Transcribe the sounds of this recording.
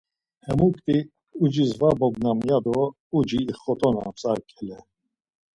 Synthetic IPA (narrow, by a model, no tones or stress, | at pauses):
hɛmukʼt̪ʼi | ud͡ʒizvabɔɡnamjad̪ɔ | ud͡ʒiːχɔt̪ʼɔna̰pt͡sʼaɾkʼɛlɛ